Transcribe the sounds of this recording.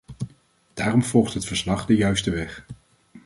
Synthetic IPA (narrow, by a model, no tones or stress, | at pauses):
d̥aːrɔmv̥ɔlˠχtɦətfəɹslɑχdəjœɥstəʋɛχ